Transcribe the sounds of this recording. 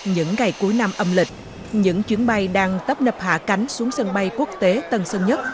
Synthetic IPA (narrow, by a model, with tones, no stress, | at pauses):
ɲɨ̰˧˥ŋːa˨˩jku˨˦jna˧mʔə˧mlï˨˩k̟̚ | ɲɨ̰˧˥ŋt͡ɕwi˨˦ənɓa˧jɗaː˧ŋt̪ə˦˥p̚nə˨˩p̚ha̰ː˧˩ka˨˦jŋ̟su˨˦əŋsə˧nɓa˧jku˦˥ək̚t̪e˨˦t̪ə˨˧˩nsə˧ŋɲə˦˥t̚